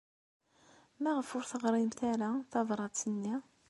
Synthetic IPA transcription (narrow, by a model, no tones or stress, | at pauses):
mæʁəfʊɾθəʁɾˤimθæɾaθɑðɾˤɑt͡sːənːi